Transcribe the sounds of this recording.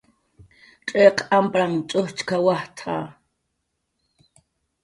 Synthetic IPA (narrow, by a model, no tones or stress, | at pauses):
ʈ͡ʂʼeqʰampʼɾaŋt͡ʃʼʊht͡ʃkʰawaht̪ʰa̰ː